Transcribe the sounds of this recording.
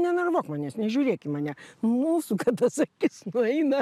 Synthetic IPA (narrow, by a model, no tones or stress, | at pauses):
nʲɛnɐrʋoːkmɑːnʲeːsnʲɛʒʲuːɾʲeːkʲɪmɑːnʲɛmuːsukɐtt̪ɐsɐkʲɪsnʊɛɪnɐ